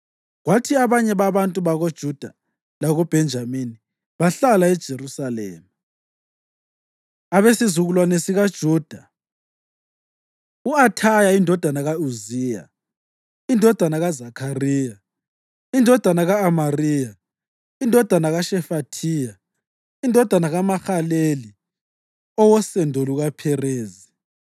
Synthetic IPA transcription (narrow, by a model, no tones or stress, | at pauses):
ɣwatʰiaβaɲɛβaβantʼuβaɣod̥ʒ̥ʱud̥ʱa | laɣub̥ʱɛnd͡ʒʱamini | βaɬalaɛd̥ʒ̥ʱeɾusalɛ̰ːma | aβesizuɣulwanesiɣad̥ʒ̥ʱuːd̥ʱa | uatʰajaindʱɔd̥ʱanaɣauziːja̰ | indʱɔd̥ʱanaɣazakʰariːja | indʱɔd̥ʱanaɣaːmariːja | indʱɔd̥ʱanaɣaʃɛfatʰiːja | indʱɔd̥ʱanaɣamaxaleli | ɔwɔsɛndʱoluɣapʰɛreːzi